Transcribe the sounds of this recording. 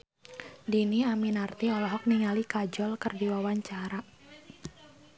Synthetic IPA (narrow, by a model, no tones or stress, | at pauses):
diniaminart̪iɔlɔɦɔk̚niŋalikad͡ʒɔlkərdiwawaɲt͡ʃaɾa